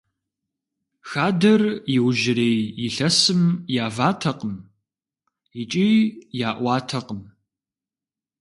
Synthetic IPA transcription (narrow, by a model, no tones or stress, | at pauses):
xaːdɐrjɪwʒɪɾeːjjɪɬɐsɨmjaːvaːtʰɐqəm | it͡ʃʼijaːʔʷɑːtʰɐqəm